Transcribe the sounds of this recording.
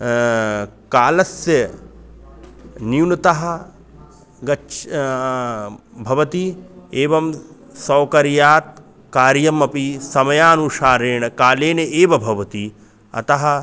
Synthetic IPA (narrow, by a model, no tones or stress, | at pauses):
kaːlɐsjɐ | niwnɐt̪ɐɦɐ̆ | ɡɐ | bʱɐʋɐt̪ieːʋɐm | sɐwkɐɾjaːt̪̚ | kaːɾjɐmɐpisɐmɐjaːnuʂaːɾeːɳɐkaːleːneʔeːʋɐbʱɐʋɐt̪i | ɐ̰t̪ɐɦɐ̆